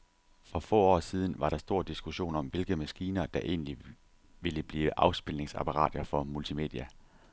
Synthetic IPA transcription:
fʁɒ̽fɔ̰ːɒ̰ːsiːð̞ˠn̩ʋɑ̈ɾ̥ɑ̈sd̥o̝ɐ̰d̥isɡ̥uɕo̝̰ːnɒ̽mʋe̝lɡ̥əmæsɡ̥iːnɐd̥ɑ̈ʔe̝̰ːnli | ʋe̝ləb̥liːʋəʔɑ̈ʊsb̥ilne̝ŋsæpʰɑʁɑ̰̈ːd̥ɐfɒ̽mult͡sʰime̝̰ːd̥ˠiæ

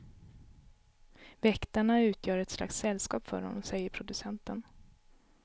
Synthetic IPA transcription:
vɛkt̪aɳaʉ̟ːt̪ʰjœːɾɛt̪sla̰ksɛlːskɑːpfœ̰ɾhɔ̰nːɔmsɛjːəɾpʰɾʊd̪ɵsɛnt̪ən

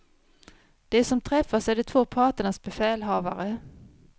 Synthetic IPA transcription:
d̪̥ɛæsɔmt̪ʰɾɛfːasɛjɖɛt̪ʰvoːpʰɑːʈəɳasbɛfɛːlɦɑːvaɾə

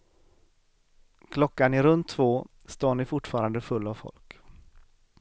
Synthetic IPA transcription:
kʰlɔkːanɪɾɵnt̪ʰːvoː | st̪oːɳɪfʊʈːfɑːɾand̪əfɵlːavfɔ̰lk

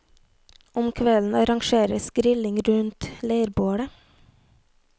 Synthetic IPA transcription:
ʊmkʰʋɛln̩ɑɾɑŋʃeːɾəsɡɾɪlɪŋɾʉnt̪leɪəɾboːɽə

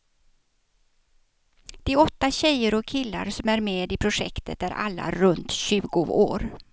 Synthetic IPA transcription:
d̪̥ɛæɾɔt̪ːaɕɛjəɾɔkʰːɪlːa̰ɾsɔmæɾmeːd̪ɪpʰɾʊʂɛ̰kt̪ʰət̪æɾʔa̰lːa̰ɾɵnt̪ɕʉ̟ːɡʊo̰ːɾ

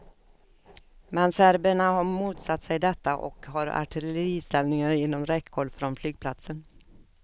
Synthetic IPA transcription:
mɛnsæɾbəɳaɦaɾmuːt̪sat̪ːsɛjd̪ɛt̪ːaʔɔ̰kɦaɾa̰ʈʰɪlɛləɾiːst̪ɛlnɪŋaɾɪnːɔmɾɛkʰːɔɭfɾɔnflyːɡ̚pʰlat̪sən

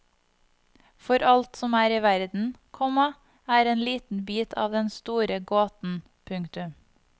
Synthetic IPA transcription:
fɔɾʔɑlt̪sɔmæːɾiːʋæɾd̪n̩kʰɔmɑ | æːɾeːnliːt̪n̩byːt̪ʰɑ̰ːʋd̪ɛnst̪uːɾəɡoːt̪n̩ | pʰʉŋt̪ʉm

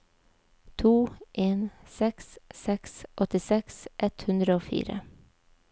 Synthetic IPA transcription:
t̪ʰuːʔeːnsɛkssɛksʔɔt̪ɪsɛksʔɛt̪hʉnd̪ɾəoːfḭːɾə̰

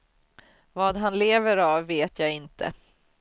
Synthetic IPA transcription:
vɑːd̪ɦanleːvəɾavːeːt̪ʰjɑːɪnt̪ʰə̰

